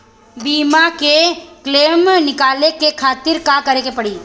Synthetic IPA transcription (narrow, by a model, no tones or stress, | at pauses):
biːmakekleːmnɪkaːlekekʰaːt̪ɪɾkakɐɾekepɐɽiː